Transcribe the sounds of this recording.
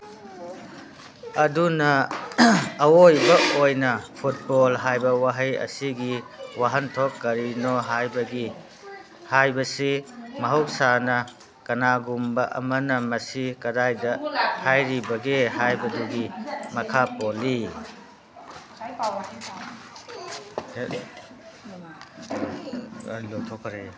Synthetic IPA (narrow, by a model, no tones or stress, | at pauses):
ɐdunɐː | wojbɐʔojnɐpʰut̚bolɦajbɐwaɦɐjɐ̰siɡiwaɦɐntʰokːɐɾinoɦajbɐɡi | hajbɐsimɐɦɐw̚sanɐ | kɐnaɡumbɐʔɐ̰mɐnɐmɐsikɐdajdɐhajɾibɐɡehajbɐduɡimɐkʰapoli | lotʰokːɐɾe